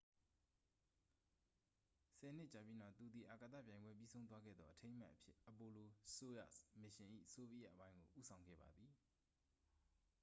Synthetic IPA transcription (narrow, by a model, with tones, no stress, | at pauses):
sʰɛ˨n̥ɪ˦ʔt͡ɕa˨pji˦na˦˨t̪u˨d̪i˨ʔa˨ka˨t̪ä̰˦˨pjã˨ɪ̃mbwɛ˦p̬ji˦sʰõ˦ʊ̃nt̪wa˦ɡɛ̰˦˨d̪ðɔ˦ʔətʰẽ˦ɪ̃ma̰˦ʔəpʰjɪ˦ʔəpo˨lo˨so˦jä̰˦˨mɪ˨ʃɪ̃˨ʔḭ˦˨ʔəso˦bi˦ja̰˦ʔəpã˦ɪ̃ŋɡo̰˨ʔṵ˦sʰã˨ʊ̃ŋɡɛ̰˦˨ba̰˨d̪ði˨